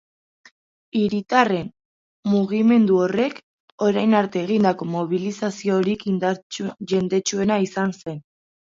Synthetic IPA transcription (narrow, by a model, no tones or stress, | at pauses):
iɾit̪are̞n | muɣ̞ime̞nd̪uo̞re̞k | o̞ɾajnaɾt̪eːɣind̪ako̞mo̞β̞ilisasio̞ɾik | ʝe̞nd̪e̞t͡ʃue̞naisanse̞n